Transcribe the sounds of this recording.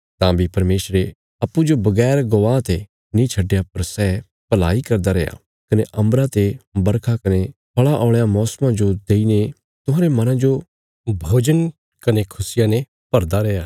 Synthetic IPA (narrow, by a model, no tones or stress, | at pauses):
t̪ãbʱipɐɾmeːsɾe | ɐpːud͡ʒobɐɡɛːɾɡɐʋãːt̪e | nĩt͡ʃʰɐɖjap̚ɐɾsɛː | pɐla̰ːikɐɾd̪aɾɛːja̰ | kɐneʔɐ̃mbɾãt̪ebɐɾkʰakɐnepʰɐɭaʔɔːɭjamɔːsmãd͡ʒod̪eːine | t̪ʊɦãɾemɐnãd͡ʒo | bʱoːd͡ʒən | kɐnekʰʊsɪjãne | pɐɾd̪aɾɛːjaː